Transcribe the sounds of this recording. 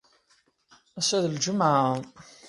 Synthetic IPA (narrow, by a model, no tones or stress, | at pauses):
æsæðld͡ʒʊmʕa